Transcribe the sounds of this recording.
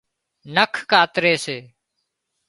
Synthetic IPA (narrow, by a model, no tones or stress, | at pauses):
nəkʰkaːt̪ɾeːseː